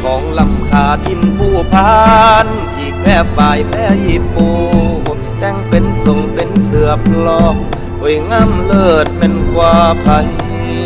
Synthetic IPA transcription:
kʰɔː˨˦ŋla˨˧˦mkʰaː˨˦t̪ʰi˧˩˨mbuː˧˩pʰa˧˥n | kiː˨˩k̚pɛː˧˩faː˨˦jpɛː˧˩ʔi˧˩˦po˧ | t͡ɕɛ˧˥˩ŋpe˧nso˨˩ŋpe˧nsɯ˨˩əp̚lɔː˧˩k̚ | ʔʔo˨˩jŋa˧˥˨mlɤː˧˩t̪̚pe˧nkwaː˧pʰa˧˩j

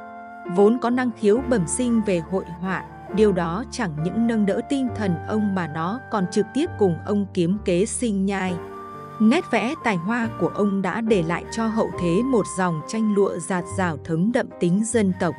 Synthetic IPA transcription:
vo˨˦nkɔ˨˦na˧ŋt̪ʰi˨˦əwɓə˨˩msï˧ŋ̟ve˨˩ho̰˧˨jɦwaː˧˨ʔ | ɗi˨˩əwɗɔ˨˦t͡ɕa˧˩ŋɲɨ̰˧˥ŋnə˧ŋnɗə̰ː˧˥t̪i˧ŋt̪ʰə˨˩nʔə˧wŋ͡mmaː˨˩nɔ˨˦kɔ˨˩nt͡ɕɨ˨˩k̚t̪i˦˥əp̚kʊ˨˩ŋ͡mʔə˧wŋ͡mki˨˦əmke˨˦sï˧ŋ̟ɲaː˧j | ŋɛ˦˥t̚vɛ̰˧˥t̪aː˨˩jɦwaː˧ku˧˩əʔə˧wŋ͡mɗa̰ː˧˥ɗe˧˩la̰ː˧˨jt͡ɕɔ˧ɦə̰˧˨wt̪ʰe˨˦mo˨˩t̚za˨˩wŋ͡mt͡ɕa˧jŋ̟lɨ̰˧˨əzaː˨˩t̚zaː˨˩wt̪ʰə˨˦mɗə̰˧˨mt̪ï˨˦ŋ̟zə˧nt̪ə˨˩wk͡p̚

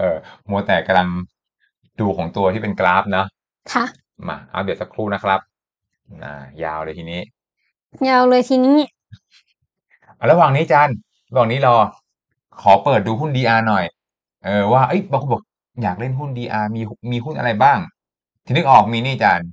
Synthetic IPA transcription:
ʔɤː˧˩mu˧ət̪ɛː˨˩ka˧la˧ŋ | duː˧kʰɔː˩˦ŋt̪u˧ɐt̪ʰiː˥˩pe˧nklaː˦˥˩p̚nɔ˦˥ | kʰa˦˥˩ | ma̰˧˩ʔa̰ː˧bi˨˩sa˧˥kʰɾuː˥˩na˦˥kʰɾa˦˥p̚ | na̰ː˧˩ja̰ː˧wlɤː˧jt̪ʰiː˧niː˦˥ | jaː˧wlɤː˧jt̪ʰiː˧niː˦˥˩ | ɾa˧waː˨˩ŋniː˦˥t͡ɕaː˧n | a˧waː˨˩ŋniː˦˥lɔː˧ | kʰɔː˩˦pɤː˨˩t̪̚duː˧ɦu˥˩ndiː˧ʔaː˧nɔ˨˩j | ʔɤː˧˩waː˥˩ʔɤ˦˥jbaː˧ŋkʰu˧˩bɔː˨˩k̚ | jaː˨˩k̚le˥˩nɦu˥˩ndiː˧ʔaː˧miː˧miː˧ɦu˥˩nʔa̰˧ɾa˧jbaː˥˩ŋ | t̪ʰiː˧nɯ˦˥k̚ʔɔː˨˩k̚miː˧niː˥˩t͡ɕaː˧n

